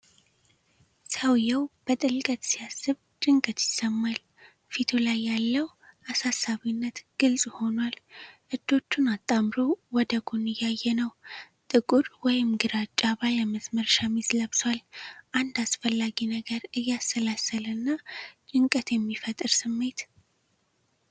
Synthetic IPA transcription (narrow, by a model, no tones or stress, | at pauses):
səwjɛwb̥ət̪ʼɨlkʼət̪ʼsijasːɨβ | t͡ʃʼɨŋkʼət̪jɪsːəmːal | fit̪ʰolajːalːəw | ʔasasːaβinːət̪ɡ̥ɨlsʼho̞nwalʔɨd̪o̞t͡ʃːunat̪ʼːamɾowɔd̪əɡonɨjːajːɛnəw | t̪ʼɨkʼuɾwɔjɪmɡɨɾat͡ʃʼːaβajɛməsməɾʃamizləβswalʔand̪asfəlːaɡinəɡəɾɨjːasːəlasːələnːat͡ʃʼɨŋkʼət̪jɛmːifət̪ʼɨɾsɨmːe̞t̪